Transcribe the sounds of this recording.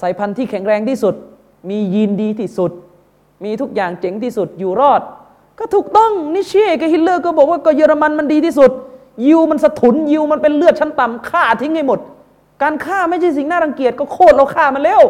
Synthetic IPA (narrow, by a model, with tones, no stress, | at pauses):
sa˩˦jpʰa˧nt̪ʰiː˥˩kʰɛ˨˩˦ŋɾɛː˧ŋt̪ʰiː˥˩su˨˩t̪̚ | miː˧jiː˧ndiː˧t̪ʰiː˥˩su˨˩t̪̚ | miː˧t̪ʰu˦˥k̚jaː˨˩ŋt͡ɕe˨˦ŋt̪ʰiː˥˩su˨˩t̪̚juː˨˩ɾɔː˥˩t̪̚ | kɔː˧˥˩t̪ʰuː˨˩k̚t̪ɔ˥˩ŋniː˦˧˥t͡ɕʰi˧˥˨ka˧˩hi˦˧˩t̪̚lɤː˥˩kɔː˧˩bɔː˨˩k̚waː˧˥˩kɔː˧˩jɤː˧ɾa˧ma˧nma˧ndiː˧t̪ʰiː˥˩su˨˩t̪̚ | ji˧wma˧nsa˧t̪ʰu˩˦nji˧wma˧npe˧nlɯ˥˩ət̪̚t͡ɕʰa˦˥nt̪a˨˩mkʰaː˥˩t̪ʰi˦˥ŋha˥˩jmo˨˩t̪̚ | kaː˧nkʰaː˥˩ma˥˩jt͡ɕʰa˥˩js̬i˨˩ŋnaː˥˩ɾa˧ŋki˨˩ət̪̚kɔː˧˥˩kʰoː˥˩t̪̚ʔa˧wkʰaː˥˩ma˧nlɛː˧˥˨w